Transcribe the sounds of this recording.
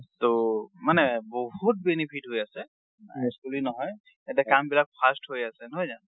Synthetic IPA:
tomanɛbɔɦut̚benipʰitɦojasɛ | skulinɔɦɔj | etiakambilak̚pʰastɦojasɛnɔɦojzan

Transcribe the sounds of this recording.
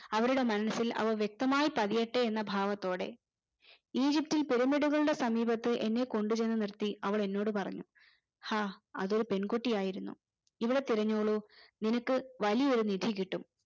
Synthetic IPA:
ɐʋɐɾuɽe̞mɐnɐɐsːilɐ̰ʋɐʋjek̚t̪ɐmaːjipɐðijɐʈːeenːɐbʱaːʋɐt̪ːo̞ːɽe̞̰ | iːd͡ʑip̚tːilpe̞ɾumiɽuɣɐɭuɽe̞sɐmiːbɐt̪ːɨʔe̞nːe̞ko̞ɳɖut͡ɕe̞nːɨnirt̪iɐʋɐɭe̞nːo̞ːɽɨpɐrɐɲːu | haːɐ̰ðo̞ɾupe̞nkoʈːijaːjiɾunːṵ | iʋiɽe̞t̪iɾɐɲːoːɭuninɐkːɨʋɐlijɐoɾunid̪ʱik̬iʈːum

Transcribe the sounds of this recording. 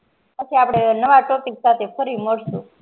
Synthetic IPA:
pət͡ʃʰiapɽenəʋaʈɔpiksat̪ʰefʰəɾiməɽsũ

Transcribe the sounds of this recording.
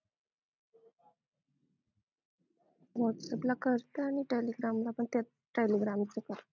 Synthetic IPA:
ʋɔʈsəplakəɾt̪əaɽ̃iʈeliɡɾamlapəɳt̪at̪̚ | ʈeliɡɾamt͡səkəɾ

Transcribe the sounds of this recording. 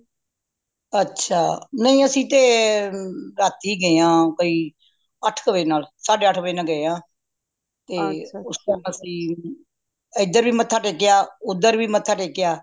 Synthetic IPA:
ətːʃʰaːnəĩːəsĩːt̪eː | ɾaːt̪iːɡəjãːkoːiː | əʈʰkəʋeːnaːlsaːɖeːəʈʰʋeːnaːɡəjãː | t̪eːʊst̪əəsĩː | əɪd̪əɾʋiːmət̪ʰːaːʈeːkɪjaːʊd̪əɾʋiːmət̪ʰːaːʈeːkɪjaː

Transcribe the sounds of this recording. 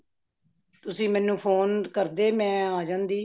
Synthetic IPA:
t̪ʊsĩːmɛ̃ːnũːpʰoːnkəɾd̪eːmɛ̃ːaːd͡ʒãːnd̪iː

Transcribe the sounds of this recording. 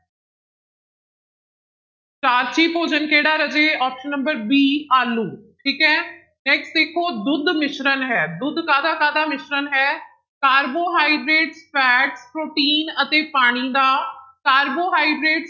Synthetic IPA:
t͡ʃaːɾt͡ʃiːpoːd͡ʒənkeːɽaːɾəd͡ʒeːɔːpʃənːəmbəɾbiːaːluːʈʰiːkɛ̃ː | nɛːksʈd̪eːkʰːoːd̪ʊd̪mɪʃɾənɦɛːd̪ʊd̪kaːd̪aːkaːd̪aːmɪʃɾənɦɛː | kaːɾboːɦaːiɖɾeːʈspʰɛːʈspɾoːʈiːnət̪eːpaːɽ̃iːd̪aːkaːɾboːɦaːiɖɾeːʈs

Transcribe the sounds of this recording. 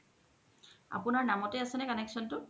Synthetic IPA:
a̰pʊnaɹnamɔtɛasɛnɛkanɛksɔntʊ

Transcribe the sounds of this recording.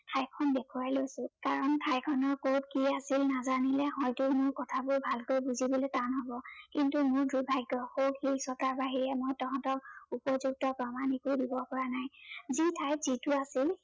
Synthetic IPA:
tʰajkʰɔnbɛkʰuwaɹlojsʊ̃kaɹɔntʰajkʰɔnɔɹkot̚kiasilnazanilɛhɔjtʊmʊɹkɔtʰabʊɹbʱalkojbuzibɔlɛtanɦɔbɔkintumʊɹdubʱajɡːɔxokhilsɔtaɹbaɦiɹɛmɔjtɔkɔ̃ntɔk̚upɔzuk̚tɔpɹɔmanikujdibɔpɔɹanajzitʰajzitʊasil

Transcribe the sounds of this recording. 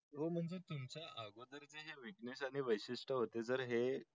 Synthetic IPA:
ɦom̤əɳd͡zet̪umt͡saʔaɡod̪əɾd͡zeɦeʋiknesaɽ̃iʋəjɕiʂʈəɦot̪ed͡zəɾɦe

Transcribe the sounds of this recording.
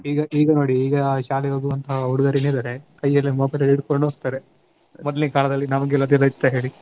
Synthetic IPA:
iːɡɐʔiːɡɐno̞ːɽiːɡɐʃaːleɦoːɡuʋɐnt̪ʰɐɦɐuɽuɡɐɾined̪ɐɾekɐjːɐlːemoːbɐjlɐliɽkoɳɖuɦoːɡ̚t̪aːɾe | mɔd̪ɐlikaːlɐd̪ɐlːinɐmɐɡelɐd̪jɐd̪ɐit̪ːɐɦe̞ːɭi

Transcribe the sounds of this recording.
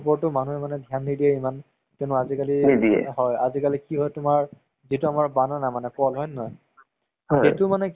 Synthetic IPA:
pɔɹtʊmanuɛmanɛdʱjanːidiɛiman | tɛʊnʊazikaliidiɛ̰hɔjazikalikiɦɔjtʊmaɹ | zituamaɹbanɔnamanɛkɔlɦɔjnɔj | hɔetʊmanɛk

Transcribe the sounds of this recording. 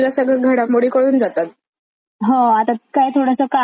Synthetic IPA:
lasəɡɭəɡʱəɽamoɽiːkəɽuːnd͡zat̪at̪̚ | ɦõat̪akajt̪ʰoɽəsəka

